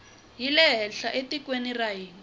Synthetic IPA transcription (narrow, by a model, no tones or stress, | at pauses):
jilɛɦɛɬaʔetʼikwenirajiːŋi